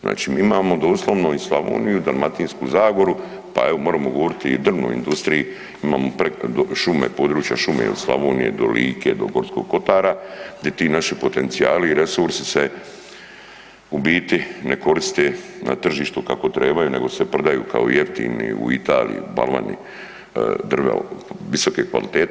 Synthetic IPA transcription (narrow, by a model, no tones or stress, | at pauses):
zna̰ːt͡ʃiːmiːimaːmo̞d̪oːslˠoʋnoislˠaʋo̰ːnijud̪anmat̪iːnskuzaːɡo̞ɾu | pa̰e̞ʋo̞moːɾamoɡo̞ʋo̞ɾit̪iːd̪r̩ʋno̰ːḭnd̪ust̪ɾiji | imaːmopɾed̪oʃumepo̞ːd̪ɾuːt͡ʃja̰ʃumḛo̰d̪slˠa̰ʋoːnije̞̰d̪o̞liːkʰḛːd̪o̞̰ɡo̞ɾt̪sko̞̰ɡ̚ko̞t̪aːɾaɡd̪ʲet̪iːnaʃipo̞t̪e̞nt̪siaːliːɾesuɾsise | ubiːt̪ine̞ko̞ɾist̪ena̰t̪r̩ʒiːʃt̪ukako̞t̪ɾe̞ːbajune̞ɡo̞sepɾed̪ajṵːka̰ojeft̪ḭːnḭṵit̪a̰ːlḭjḭba̰lma̰nḭ | d̪r̩ʋḛʋisokeːkʋa̰lit̪eːt̪